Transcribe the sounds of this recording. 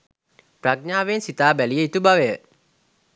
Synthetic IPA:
praɡ̚ɲaːʋensit̪aːbælijəit̪ubaʋəjə

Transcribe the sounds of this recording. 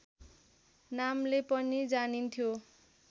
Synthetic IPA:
namlepʌnid͡zanint̪ʰjo

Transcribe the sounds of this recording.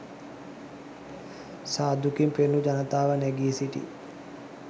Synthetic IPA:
saːd̪ukimpenːud͡ʒanət̪aːʋənɛɡiːsiʈḭ

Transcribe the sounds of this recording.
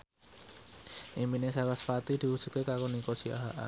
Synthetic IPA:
ʔimbinesakasfat̪id̪̥i̤wud̥ʒ̥ut̪̚kekakonikosia̰ɦa̰ʔa̰

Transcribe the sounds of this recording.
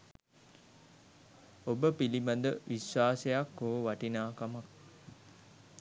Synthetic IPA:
obəpilimand̪əʋiswaːsejakːooʋaʈinaːkamak̚

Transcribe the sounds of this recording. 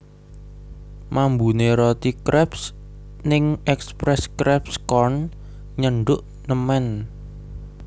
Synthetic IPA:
mambuneɾɔt̪ikɾɛps | nɪŋɛkspɾɛskɾɛpskɔrn | ɲəɳɖʊʔ | nəmɛn

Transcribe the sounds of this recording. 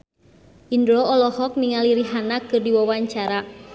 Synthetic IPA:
ʔindɾɔɔlɔhɔk̚niŋaliɾiɦanakɨrdiwawaɲt͡ʃaɾa

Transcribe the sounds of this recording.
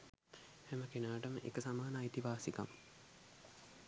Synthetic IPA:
hɛməkenaːʈəməʔekəsamaːnaːit̪iʋaːsika̰m

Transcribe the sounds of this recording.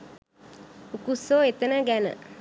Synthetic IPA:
ukusoːet̪ənəɡænə̰

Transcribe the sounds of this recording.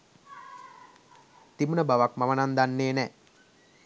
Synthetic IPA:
t̪imənəbaʋakmamənand̪anːeːnɛ

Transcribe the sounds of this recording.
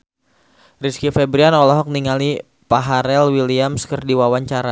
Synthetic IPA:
riskifɛbɾianɔlɔɦɔk̚niŋali | paɦaɾɛlwiliamskərdiwawaɲt͡ʃaɾa

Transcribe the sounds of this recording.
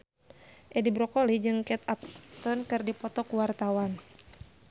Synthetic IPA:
ʔɛdibɾɔkɔlid͡ʒɨŋkɛt̪ap̚t̪ɔnkɨrdipɔt̪ɔkuwart̪awan

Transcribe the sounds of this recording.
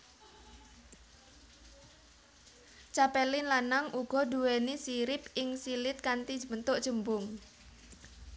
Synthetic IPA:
t͡ʃapɛlɪnlanaŋʔuɡ̥ɔ̤d̪uwenisiɾɪpɪŋsilɪt̪̚kant̪i̥d͡ʒmənt̪ʊʔd̥ʒ̥ə̤mbʊŋ

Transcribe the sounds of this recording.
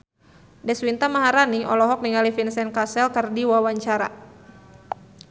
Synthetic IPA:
dɛswint̪amaɦaɾaniɔ̰lɔɦɔk̚niŋalifinsɛnkasɛlkərdiwawaɲt͡ʃaɾa̰

